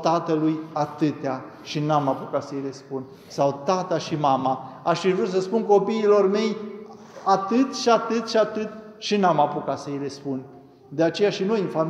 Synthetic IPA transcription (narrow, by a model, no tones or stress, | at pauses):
t̪at̪əlujat̪ɨt̪ea | ʃinamapukat̪səjrespun | sawt̪at̪aʃimamaaʃivɾut̪səspunko̞piːlo̞rme̞j | at̪ɨt̪ʃiat̪ɨt̪ʃiat̪ɨt̪ | ʃinamapukasəjrespun | d̪e̞at͡ʃe̞jaʃino̞jɨnfa